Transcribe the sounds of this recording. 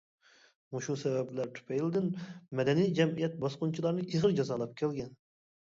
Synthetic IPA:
muʃusɛvɛblæɾt̪ʰy̥pʰɛjlɪd̪ɪnmɛd̪ɛnijd͡ʒɛmijɛt̪̚bɑsqʊnt͡ʃʰilˠɑɾnɨʔiʁəɾd͡ʒɑzɑlˠɑp̚kʲʰɛlɡʲɛn

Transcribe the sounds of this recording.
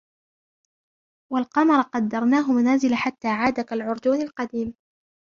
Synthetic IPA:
walqɑmɑɾˤɑqɑd̪ːɑɾˤnaːɦʊmanaːzɪlaħat̪ːaːʕaːd̪akalʕʊɾˤd̪uːnalqɑd̪iːm

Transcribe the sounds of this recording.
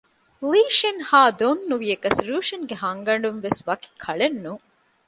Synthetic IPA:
liːʃenhaːd̪onːuʋiekɐsɾuːʃɐnɡeɦɐŋɡɐɳ̆ɖunʋesʋɐki̥kʰɐɭenːu

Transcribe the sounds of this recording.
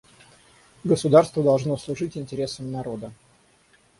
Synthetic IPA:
ɡəsʊd̪arst̪vəd̪ɐlˠʐno̞slˠʊʐɨtʲɪnʲtʲɪɾʲe̞səmnɐɾo̞d̪ə

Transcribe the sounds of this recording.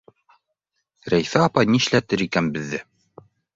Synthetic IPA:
ɾæjfæɑpɑjniʃlæt̪ɘɾikænbɘ̆ðːɘ

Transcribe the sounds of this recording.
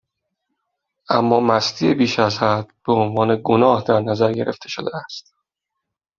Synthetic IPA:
ʔæmːɒːmæst̪ʰiːebiːʃæzhæd̪̥b̥eonvɒːne̞ɡonɒːhd̪æɾnæzæɾɟe̞ɾʔe̞̰ft̪ʰe̞ʃod̪eæst̪

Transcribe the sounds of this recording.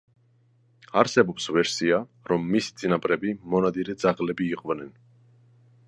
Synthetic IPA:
aɾsɛbɔpsvɛɾsia | ɾɔmːisi̥t̪sʼinapʼɾɛbimɔnad̪iɾɛd̪zaʁlɛbiːqʼvnɛn

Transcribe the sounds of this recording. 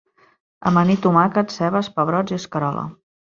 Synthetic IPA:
ə̰mənit̪umakət̪sɛβəspəβɾɔd͡ziəskəɾɔlə̰

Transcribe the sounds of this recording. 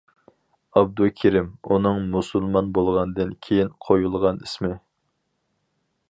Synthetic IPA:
ɑb̚d̪ukʲʰiɾɪmunɨŋmusulˠmɑnbolˠʁɑnɨd̪ɨnkʲʰejinqʰojulˠʁɑnismɪ

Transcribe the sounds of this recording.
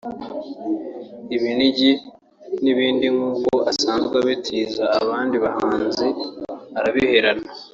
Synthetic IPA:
iβiniɟi | niβiːndiŋuːkoasaːnzɡaβitʰiːzaːβaːndiβahaːnziaɾaβihe̞ɾana

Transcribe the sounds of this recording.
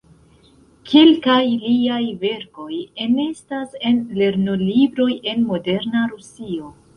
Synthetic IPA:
kʰelkajliajve̞ɾko̞jene̞stase̞nle̞ɾno̞libɾo̞je̞nmo̞de̞ɾnaɾusio̞

